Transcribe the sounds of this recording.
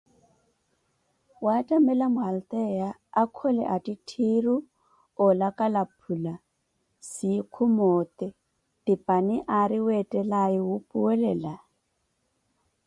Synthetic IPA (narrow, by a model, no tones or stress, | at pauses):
watʼamɛlamʊɦalt̪ʼɛjaːkʰɔlɛ̰ʔatʼitʰiru | ɔlakʼalapʰula | sikʰʊmɔːt̪ʼɛ | tʼipʼanɛʔaɾiwɛtʼɛlaiwʊpʼuwɛlɛːla